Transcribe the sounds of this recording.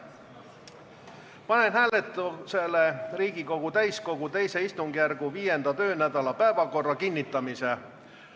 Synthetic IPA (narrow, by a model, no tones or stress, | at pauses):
pɑne̞nhæːle̞t̪ːˑuse̞lːe̞riːɡ̥iko̞ɡ̥ut̪æjsko̞ɡ̥ut̪e̞jse̞ist̪uŋɡ̥jærɡ̥uviːje̞nd̪̥ɑt̪ø̞ːnæd̪̥ɑlɑpæevɑko̞rːɑkinʲːit̪ːˑɑmise̞